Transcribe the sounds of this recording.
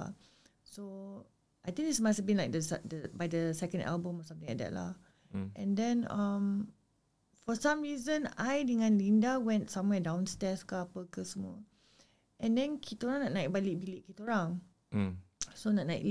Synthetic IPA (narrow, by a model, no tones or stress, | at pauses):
a | so | ʔajt̪ĩŋkitsmastɛbĩnlajk̚dəsdəbajdəsɛkə̃nda̰lbə̃mɔsãmt̪ĩŋɛ̰t̚dɛ̰ʔ̚la̰ | ɛ̃ndɛ̃nãm | fɔsãmɹizə̃najdəŋãnlĩndawɛ̃ntsãmwɛdãw̃nstɛskapəkəsəmɔ | ʔɛ̃ndɛ̃nkʰit̪oɹãŋnɔʔ̚naɪk̚balik̚bilik̚kːit̪oɹãŋ | sonɔt̚naɪ̰k̚l